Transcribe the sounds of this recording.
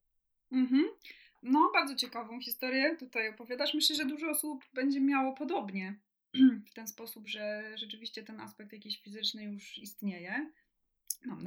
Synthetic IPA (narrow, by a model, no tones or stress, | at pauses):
m̩ɦm̩ | nɔbaɾd̪zɔt͡ɕɛkavɔ̃w̃xʲist̪ɔɾjɛt̪ut̪ajɔpɔvʲjad̪aʂmɘɕlɛʐɛd̪uʐɔɔsubbɛɲd͡ʑɛmʲjawɔpɔd̪ɔbɲɛ | ft̪ɛnspɔsubʐɛʐɛt͡ʂɘvʲiɕt͡ɕɛt̪ɛna̰spɛk̚t̪jakʲeɕfʲizɘt͡ʂnɘjuʂist̪ɲejɛ | namn